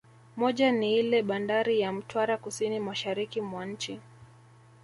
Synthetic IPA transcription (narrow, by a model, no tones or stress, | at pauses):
mɔʄaniilɛɓandaɾijam̩twaɾakusinimaʃaɾikimwan̩t͡ʃi